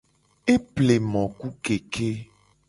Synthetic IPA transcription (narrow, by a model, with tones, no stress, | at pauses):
e˦ple˨mɔ̃˨ku˦ke˨ke˦